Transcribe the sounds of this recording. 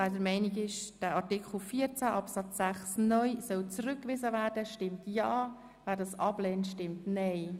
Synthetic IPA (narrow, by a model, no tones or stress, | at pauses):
adəɾmɛɪniɡɪʃd̥æɑɾtɪkχl̩fiːəɾt͡sæʔɑpsɑt͡sːæχsnœʏsœlt͡sɾʏkːʋɪzəvæːɾdəʃtɪmtjɑː | væːɾdɑsɑb̥lɛːntʃtɪmtnɛɪ